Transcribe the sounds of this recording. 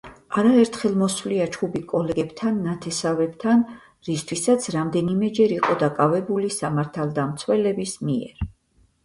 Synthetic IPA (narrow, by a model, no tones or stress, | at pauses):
aɾaɛɾt̪ʰχɛlˠmɔswvliat͡ʃʰχubikʼɔlɛɡɛbt̪ʰanːat̪ʰɛsavɛb̥t̪ʰan | ɾist̪ʰwisat̪sʰɾamd̪ɛnimɛd͡ʒɛɾiqʼɔd̪akʼavɛbulisamaɾt̪ʰalˠd̪amt̪sʰwɛlɛbismiɛ̰ɾ